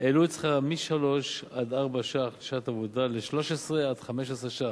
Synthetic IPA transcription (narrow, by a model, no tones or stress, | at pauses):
eluet͡sχamiʃalo̞ʃad̪aʁbaʃaχdiʃat̪avod̪aleʃlo̞ʃesʁead̪̥χameʃ̬esʁeʃa